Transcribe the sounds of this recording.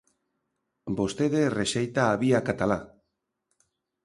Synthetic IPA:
bo̞st̪eðeresejt̪aːβiakat̪ala

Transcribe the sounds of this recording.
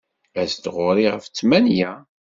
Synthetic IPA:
æsd̪ʁʊɾiʁəft͡sːmænjæ

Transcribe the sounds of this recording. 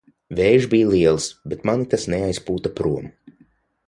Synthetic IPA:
vɛːʒbijlˠiɛlˠsbet̪manit̪asnɛajspuːt̪apɾuɔmu

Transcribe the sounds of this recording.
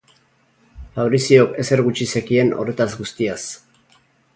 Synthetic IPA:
faβɾisio̞ke̞se̞ɾɣut͡ʃise̞kie̞no̞̰re̞t̪azɡust̪ias

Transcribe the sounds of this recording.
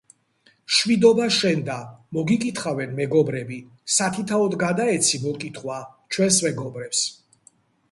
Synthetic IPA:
ʃwid̪ɔbaʃɛnd̪amɔɡikʼit̪ʰχavɛnmɛɡɔbɾɛbi | sat̪ʰit̪ʰaɔd̪ɡad̪aɛt̪sʰimɔkʼit̪ʰχwat͡ʃʰwɛnsmɛɡɔbɾɛps

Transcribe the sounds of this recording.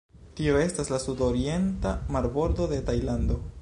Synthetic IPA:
tio̞e̞staslasudo̞ɾie̞ntamaɾbo̞ɾdo̞de̞tajlando̞

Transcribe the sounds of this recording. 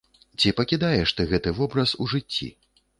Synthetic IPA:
t͡sʲipɐkʲid̪ajɛʂt̪ɨɣɛt̪ɨvɔbɾɐsuʐɨt͡sʲːḭ

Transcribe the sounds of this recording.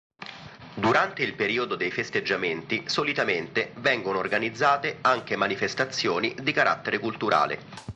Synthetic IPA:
d̪uɾant̪eilpeɾiːod̪od̪ejfest̪ed͡ʒːament̪isolit̪ament̪evɛŋɡonoːrɡanid̪zːaːt̪eaŋk̟emanifest̪at̪sːjoːnid̪ikaɾʔa̰t̪ːeɾekult̪uɾʔa̰ːlḛ

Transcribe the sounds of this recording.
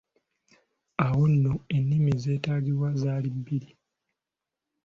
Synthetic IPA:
awonːoenːimize̞ːtaːɟiɾwazaːlibːiɾi

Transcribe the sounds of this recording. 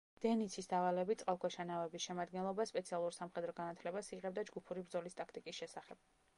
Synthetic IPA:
d̪̥ɛnit̪sʰisd̪avalɛbit̪sʼqʼalˠkʰwɛʃanavɛbisʃɛmad̪ɡɛnlˠɔbaspʼɛt̪sʰialˠuɾsamχɛd̪ɾɔɡanat̪ʰlɛbasiʁɛb̚d̪ad͡ʒɡupʰuɾibɾd̪zɔlist̪ʼakʰt̪ʼikʼisʃɛsaχɛb̥̚

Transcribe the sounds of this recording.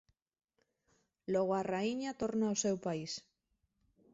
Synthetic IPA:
loɣ̞oaraiɲat̪oɾnaosewpais

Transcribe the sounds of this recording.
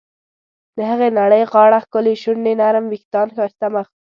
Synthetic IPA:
d̪̥əhəɣenaɽəjɣɑɽaxkʊleʃʊnːenaɾəmwikt̪ɑnxɑʃt̪amax

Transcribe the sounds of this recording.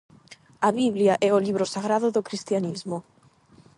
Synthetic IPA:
aβiβljaʔɛoliβɾosaɣɾaðoðokɾist̪janizmo

